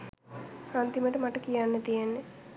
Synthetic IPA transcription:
ant̪iməʈɐmɐʈɐkijaːnːɐt̪ijenːe

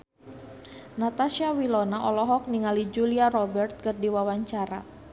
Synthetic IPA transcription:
nat̪asiawilɔnaʔɔlɔɦɔk̚niŋalid͡ʒuliaɾɔbɛrt̪̚kɨrdiwawaɲt͡ʃaɾa̰

